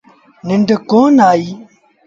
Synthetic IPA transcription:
niɳɖekoːnaːi

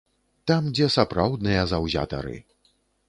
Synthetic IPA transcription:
t̪amd͡zʲɛsapɾawd̪nɨjɐzawzʲa̰t̪ɐ̰ɾɨ̰

